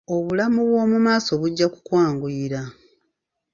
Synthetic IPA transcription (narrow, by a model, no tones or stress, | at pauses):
o̞βulamuβwo̞ːmumaːso̞βuɟːaku̥kwaːŋɡuiɾa